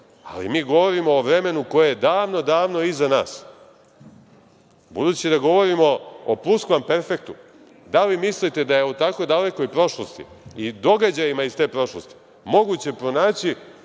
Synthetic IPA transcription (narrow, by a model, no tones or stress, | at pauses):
a̰lḭmiːɡo̞ʋo̞ɾimo̞ːʋɾe̞me̞nuko̞jejed̪aːʋno̞d̪aːʋno̞izanaːs | bud̪uːt͡ɕid̪aɡo̞ʋo̞ɾimo̞ːpuskʋampeɾfe̞k̚t̪u | d̪alimislit̪e̞d̪ajeut̪akojd̪ale̞ko̞jpɾo̞ʃlˠo̞st̪ḭid̪o̞ɡad͡ʑajimaizst̪e̞ːpɾo̞ʃlˠo̞st̪i̥ | mo̞ɡut͡ɕe̞pɾo̞naːt͡ɕi